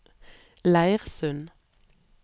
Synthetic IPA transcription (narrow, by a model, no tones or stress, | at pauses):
læɪʁsʉn